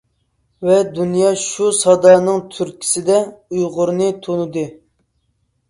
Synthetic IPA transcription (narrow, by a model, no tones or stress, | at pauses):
vɛd̪unjɑʃusɑd̪ɑːnɨŋt̪ʰyɾkʲʰi̥sɪd̪ɛujʁʊɾnɨt̪ʰonɨd̪ɨ